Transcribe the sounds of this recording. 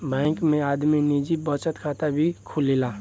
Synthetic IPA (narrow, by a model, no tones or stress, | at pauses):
bɛ̃ːŋkmẽaːd̪minid͡ʒibət͡ʃət̪kʰaːt̪abʱikʰulilaː